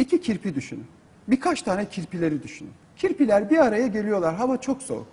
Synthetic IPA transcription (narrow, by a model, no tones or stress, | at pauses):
icʰicʰiɾpʰid̪yʃyny̰n | bikʰat͡ʃt̪ʰaːnɛcʰiɾpilʲe̞ɾid̪yʃyny̰ncʰiɾpilʲæɾbiaɾajaɟe̞lʲijo̞lˠaɾɦamat͡ʃʰo̞kso̞̰ɾ